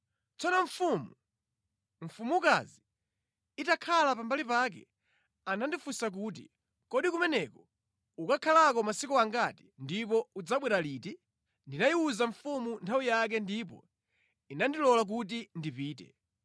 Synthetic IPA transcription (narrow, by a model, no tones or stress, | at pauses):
t͡sɔnɔɱfumu | ɱ̩fumuka̰zi | itakʰalapambalipak̬ɛ̰ | anandifusak̬uːt̬ḭ | kɔɗikumɛnɛkɔ | ukakʰalakɔmasikɔaŋɡati̥ndipɔud͡zaɓwɛɾaliːti | ndinajiuzaɱfumuntʰawijak̬ɛndip̬ɔ̰ | inandilɔlak̬ut̬indipiːtɛ̰